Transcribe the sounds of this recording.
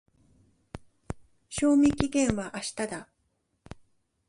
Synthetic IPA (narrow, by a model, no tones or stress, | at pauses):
ɕo̞ːmʲĩkʲiɡẽ̞ɰ̃βaʔaɕi̥t̪ad̪a